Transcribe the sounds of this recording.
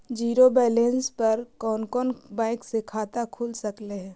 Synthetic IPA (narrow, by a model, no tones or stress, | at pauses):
d͡ʒiːɾobɛːlẽnspɐɾkɔːnkɔːnbaːɪksekʰaːt̪akʰuːlsəkleɦɛ̃ː